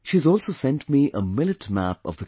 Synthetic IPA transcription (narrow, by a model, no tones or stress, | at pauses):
ʃizɔːlˠsoʊsɛ̃ntmiʔʔəmɪlɨtmæpʌ̰vðə